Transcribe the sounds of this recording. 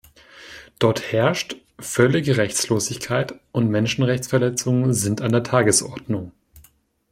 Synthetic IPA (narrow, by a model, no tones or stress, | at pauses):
d̥ɔɐthɛɐʃt | fœlɪɡəʁɛçt͡sloːzɪçkʰaɪtʔʊntmɛnʃn̩ʁɛçt͡sfɛɐlɛt͡sʊŋənzɪntandeːɐtʰaːɡəsʔɔɐdnʊŋ